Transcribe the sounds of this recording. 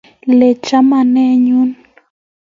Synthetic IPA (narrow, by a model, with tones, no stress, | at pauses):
lɛ˨t͡ʃa˦ma˨nɛ˦ɲu˦n